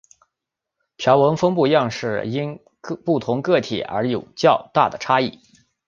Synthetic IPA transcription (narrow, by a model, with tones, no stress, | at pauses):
pʰjɑ˧˥ʊwə˧˥ŋfɤ˥ŋpu˥˧jɑ˥˧ŋʂɻ̩˥˩i˥n | pu˥˩t̪ʰʊ˧˥ŋkɤ˥˩t̪ʰḭ˨˩ə̰˞˧˥jo˨˩ʊt͡ɕjɑ˥˧ʊt̪a˥˩d̪ə˩ʈ͡ʂʰa˥i˥˩